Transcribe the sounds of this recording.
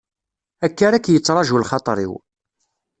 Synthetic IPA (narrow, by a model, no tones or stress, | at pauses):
ækːaɾækːjət͡sːɾˤɑʒulχɑt̪ˤɾˤḭw